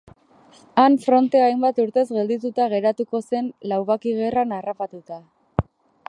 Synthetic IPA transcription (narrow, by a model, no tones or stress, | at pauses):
aɱfɾo̞nt̪e̞ajmbat̪uɾt̪e̞zɣe̞ld̪it̪ut̪aɣ̞e̞ɾat̪uko̞se̞nlawβakiɣe̞ranarapat̪ut̪a